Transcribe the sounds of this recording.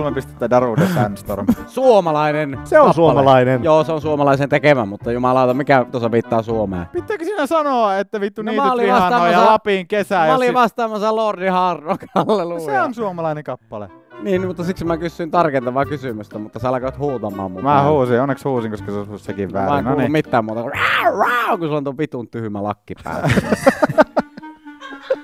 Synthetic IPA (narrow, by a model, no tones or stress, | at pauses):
lmempist̪et̪ːædɑruːdepænst̪o̰rmsuomɑlɑinenseonsuoɑlɑinenjoːseonsuomɑlɑˑisent̪ekemæmut̪ːɑjumɑlɑˑot̪ɑmikæt̪osɑʋiːt̪ːɑːsuomḛːpit̪ːæːkøsiːnæsɑnoɑet̪ːæʋit̪ːuniːmæoliʋɑsɑnɑːojɑɑlɑpiːŋkesæjoliʋɑst̪ˑɑːmɑsɑlordihɑrtokɑlːelusjeonsuomɑlɑineŋkɑpːɑlḛniːnmut̪ːɑsiksmmækysːyint̪ɑrkent̪ɑʋɑːkysymyst̪æmut̪ːɑseɑlɑkoːˑt̪huːt̪ɑmˑɑ̰ːmmumæhuːsionːekshuːsiŋkoskɑsesussekiʋʋæ̰ːɑeŋnlnummit̪ːæːmuːt̪ɑkoræraˑokusulːont̪uopit̪unt̪yhymælɑkːipæ̰ˑe